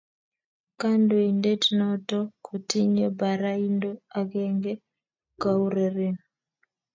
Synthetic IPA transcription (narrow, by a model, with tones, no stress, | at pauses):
ka˦ndo˨i˨nde˦tnɔtɔ˦kʰo˨ti˦ɲo˦ba˨ɾa˦i˦ndo˦a˨ɡɛ˦ŋɡe˦ | ka˦u˦ɾe˨ɾe˦n